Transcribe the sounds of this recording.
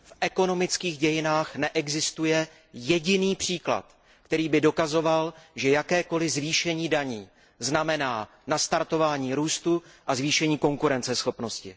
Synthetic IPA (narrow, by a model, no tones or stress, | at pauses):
fʔɛko̞no̞mɪt͡skiːɣɟɛjɪnaːxnɛʔɛɡzɪst̪ujɛ | jɛɟɪniːpr̝̥iːkla̰t̪ | kt̪ɛɾiːbɪdo̞kazo̞valʒɛjakɛːko̞lɪzviːʃɛɲiːdaɲiː | znamɛnaː | nast̪aɾt̪o̞vaːɲiːɾuːst̪uʔazviːʃɛɲiːko̞ŋkuɾɛnt͡sɛsxo̞pno̞scɪ̰